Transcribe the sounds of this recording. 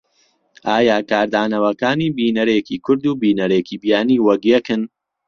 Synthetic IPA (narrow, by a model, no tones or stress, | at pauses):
ʔaːjaːkaːɾd̪aːnɐwɐkaːniːbiːnɐɾeciːkʰʊɾd̪uːbiːnɐɾekiːbjaːniːwɐkjekɨn